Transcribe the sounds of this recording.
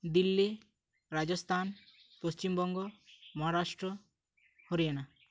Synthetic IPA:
d̪ilːi | ɾad͡ʒɔst̪ʰanpost͡ʃimbɔŋɡɔmɔɦaɾaʃʈɾɔ | hoɾijana

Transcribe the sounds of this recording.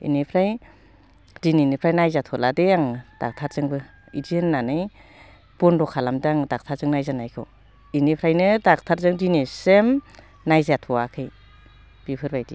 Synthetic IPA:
ḭnipʰɾaj | dininipʰɾajnajzatʰɔladeaŋd̥a̰k̚tʰaɾzɯŋbɯ | idinːanɯj | b̥ɔndɔkʰalamdaŋdak̚tʰaɾzɯŋnajzanajkʰɯw | inepʰɾajnɯdak̚tʰaɾzɯŋdinesem | najzatʰɔwakʰɯj | b̥ipʰɯɾbajdi

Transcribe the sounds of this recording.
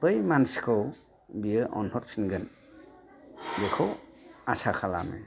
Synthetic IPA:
bɯjmansi̥kʰɯw | biɯʔɔnhɔt̚pʰinɡɯn | bekʰowasakʰala̰mḛ

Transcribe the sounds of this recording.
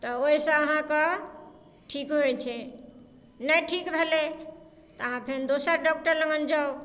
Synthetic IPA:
t̪ɔoisə̃əɦãkɔ | ʈʰikɦojt͡ʃʰɛ | nəjʈʰikbʱele | t̪ɔəɦãpʰend̪osəɾɖɔk̚ʈəɾlə̃ŋɡənd͡ʒao

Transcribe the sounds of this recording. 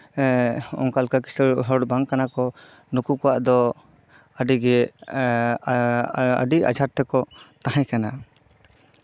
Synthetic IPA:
ɔ̰ŋkalkaki̥səɾɦɔɽbaŋkanakɔ | nukukɔwaʔd̪ɔ | əɖiɡɛ | ə̰ɖia̰d͡ʒʱaɾt̪ɛkɔt̪aɦãjkana

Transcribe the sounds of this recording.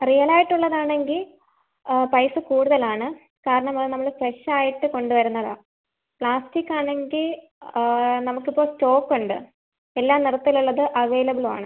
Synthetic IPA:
rijɐlaːjiʈːuɭːɐðaːɳe̞ŋɡil | pɐjsɨkuːɽuðɐlaːɳɨ | kaːɾɐɳɐmɐɭnɐmːɐɭfreʂaːjiʈːɨko̞ɳɖuʋɐɾunːɐða̰ː | pɭaːstikːaːɳe̞ŋɡil | nɐmukːipːo̞ːsto̞ːkːuɳɖɨ | elːaːmnirɐt̪ːiluɭːɐðɨʔɐʋe̞ːlɐbiɭma̰ːɳɨ

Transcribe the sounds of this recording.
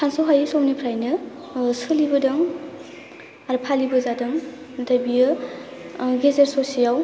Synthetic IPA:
pʰansoɦajsɔwnipʰɾajnɯ | sɯlibɯdɐŋ | aɾɯpʰalibɯzadɯŋ | dajbijɯ | ɡezeɾsosijaw

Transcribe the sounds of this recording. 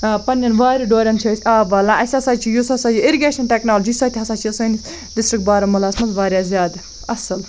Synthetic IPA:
pɐnːɐnʋaːɾiɖoːɾʲɐnt͡ʃʰɐːt͡ʃʰʲaːʋɐːlãːʔɐsʲɐsaːt͡ʃʰijusɐsaːjuiɾiɡeːʃɐnʈeknaːlod͡ʒiːsɐt̪ʰʲiɦɐsaːt͡ʃʰisɐːnisʲ | ɖɪsʈɾikʈ̚baːɾɐmɐlaːsmɐt̪ʋaːɾjaːzʲjaːd̪ | ɐsɐl

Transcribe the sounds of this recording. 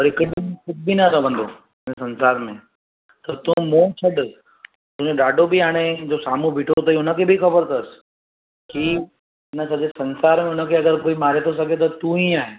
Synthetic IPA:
pɔɾɪkɪɖm̃kʊt̚bʱinaɾəʋə̃nd̪o | ɪnesɐ̃nsaːɾmḛ̃ | t̪ɐt̪ũmõːt͡ʃʰɐɖ | t̪ʊ̃ɲoɗaːɖʱobʱiaːɽ̃ed͡ʑoːsaːmũbʱiːʈʰot̪ɐiʊnəkʰebʱixɐbəɾt̪əs | ki | nəsɐd͡ʑesɐ̃nsaːɾmẽʊnəkʰeɐɡəɾkoːimaːɾet̪ʰos̬ɐɡʱet̪̬ɐt̪uɦĩaːɦe

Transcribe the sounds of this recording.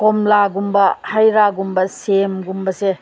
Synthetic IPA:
kɔmlaɡumbɐhajɾaɡumbɐsemɡumbɐse

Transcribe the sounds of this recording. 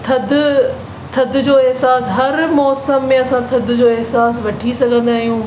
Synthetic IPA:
t̪ʰɐd̪ | t̪ʰɐd̪ʱd͡ʑoːɛɦsaːsɦɐɾmɔːsəmːẽɐsãt̪ʰɐd̪ʱd͡ʑoːɛɦsaːs̬ʋɐʈʰisɐɡʱə̃nd̪aːɦijũː

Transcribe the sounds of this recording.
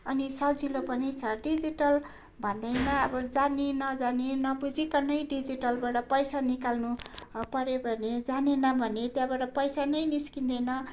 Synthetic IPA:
ʌnisʌd͡zilopʌnit͡sʰʌɖid͡ziʈʌl | bʱʌnd̪ʌjnʌːbʌd͡zanenʌd͡zanenʌbud͡zikanʌjɖid͡ziʈʌlbaʈʌpʌjsanikalnupʌɾebʱʌned͡zanenʌbʱʌnet̪jabaʈʌpʌjsanʌjniskind̪ʌjnʌ

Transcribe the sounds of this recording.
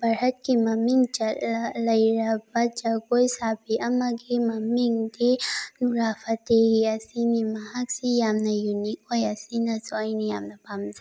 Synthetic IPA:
bɐɾhɐt̪̚kimɐmiŋt͡ʃɐlɐjɾɐbɐt͡ʃɐɡojsaːbiʔɐmɐɡemɐmiŋɡd̪enuɾaːfɐt̪eɦiɐsinimaɦaksijamnɐjunikojɐsinɐsajnijaːmnɐpamza

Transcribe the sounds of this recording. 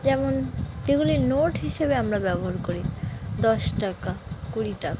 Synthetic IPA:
d͡ʑɛmond͡ʑeɡulinoʈɦiʃebeamɾabɛboɦaɾkoɾid̪ɔʃʈakakuɾiʈaka

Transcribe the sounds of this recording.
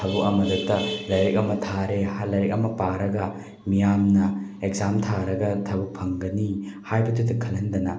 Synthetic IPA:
tʰɐbukɐmɐdutːɐlɐjɾek̚ɐmɐtʰaɾehalɐjɾek̚ɐmɐpaɾɐɡɐ | mijamnɐekzamtʰaɾɐɡɐtʰɐbuk̚pʰɐŋɡɐnihajbɐtʰutːɐkʰɐlɐndɐnɐ

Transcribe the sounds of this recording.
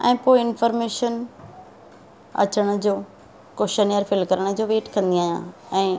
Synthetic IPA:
ɛ̰̃ːpoːɪɪnfɔːɾmeːʃən | ɐ̰t͡ɕəɽ̃ʊd͡ʑoː | koʃənijəɾfɪlkɐɾəɽ̃ʊd͡ʑoːʋeːʈkɐ̃nd̪iaːɦijã̰ | ɛ̃ː

